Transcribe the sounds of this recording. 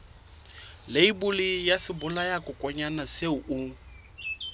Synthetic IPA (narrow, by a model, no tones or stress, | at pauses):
leibʊlijasɪbʊlajakʊkʼɔɲanaseuʔʊ